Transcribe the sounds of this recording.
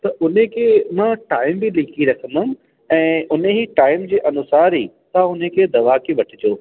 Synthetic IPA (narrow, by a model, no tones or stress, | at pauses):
t̪ɐʔʊnekʰeːmãːʈaːɪmbɪliːkiɾɐkʰə̃nd̪ʊm̆ | ɛ̃ːʊneɦiʈaːɪmd͡ʑiːʔɐnʊsaːɾɦiː | t̪aʊnekʰeːd̪ɐʋakeʋɐʈʰɪd͡ʑoː